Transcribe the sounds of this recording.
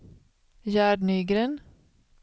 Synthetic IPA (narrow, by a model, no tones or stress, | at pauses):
jæːɖɳyːɡɾən